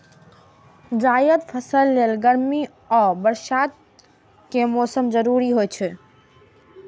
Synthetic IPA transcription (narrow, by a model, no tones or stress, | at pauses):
d͡ʒajət̪pʰəsəlːelɡəɾmi | ɔbəɾʃat̪̚ | kemɔsəmd͡ʒəɾuɾiɦojt͡ʃʰɛ